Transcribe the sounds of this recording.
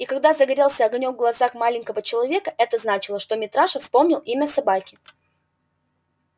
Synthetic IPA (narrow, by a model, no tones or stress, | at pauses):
ikɐɡd̪azəɡɐɾʲalˠsʲəɐɡnʲoɡɡlˠɐzaxmalʲɪŋʲkəvət͡ɕɪlˠɐvʲekəʔɛt̪əznat͡ɕɪlˠəʂt̪o̞mʲɪt̪ɾaʂəfspo̞mnʲɪlˠimʲəsɐbakʲɪ